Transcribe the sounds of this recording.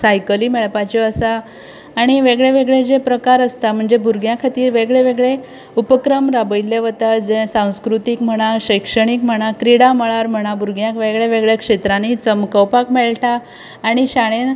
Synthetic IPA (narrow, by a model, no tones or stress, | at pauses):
sajkəliːmeɭpat͡ɕɔəsaː | ɽ̃iʋeɡɭeʋeɡɭed͡zepɾəkaɾəst̪am̤əɳd͡zebʱuɾɡjãkʰat̪iːɾʋeɡɭeʋeɡɭe | upəkɾəmɾabəjlːeʋət̪ad͡zẽsãw̃skɾut̪ikm̤əɽ̃aɕəjkʂəɽ̃ikm̤əɽ̃akɾiɽaməɭaɾm̤əɽ̃abʱuɾɡjãkʋeɡɭeʋeɡɭekʂet̪ɾanit͡səmkəwpakmeɭʈaː | ɽ̃iɕaɽ̃e